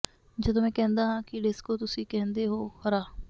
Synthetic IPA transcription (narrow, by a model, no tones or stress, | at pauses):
d͡ʒəd̪õːmɛ̃ːkɛ̃ːnd̪aːɦãːkɪɖɪskoːt̪ʊsĩːkɛ̃ːnd̪eːɦoːhəɾaː